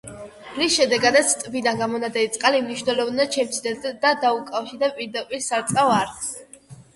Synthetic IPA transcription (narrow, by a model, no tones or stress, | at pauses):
bɾisʃɛd̪ɛɡad̪at̪sʰt̪ʼbid̪anɡamɔnad̪ɛlit̪sʼqʼalimniʃvnɛlɔvnad̪t͡ʃʰɛmt̪sʰid̪ɛd̪ad̪aukʼafʃiɾd̪ɛpʼiɾd̪apʼiɾsaɾt̪sʼavaɾs